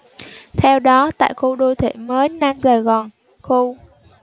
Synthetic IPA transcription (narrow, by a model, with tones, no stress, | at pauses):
t̪ʰɛ˧wɗɔ˨˦t̪a̰ː˧˨jxo˧ɗo˧jt̪ʰe˧˩məː˨˦jna˧mzaː˨˩ɣɔ˨˩n | xo˧